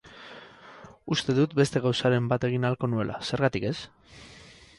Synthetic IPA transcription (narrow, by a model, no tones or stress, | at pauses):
ust̪e̞ðut̪be̞st̪e̞ɣ̞awsaɾe̞mbat̪e̞ɣ̞inalko̞nue̞lʔa̰se̞ɾɣat̪ike̞s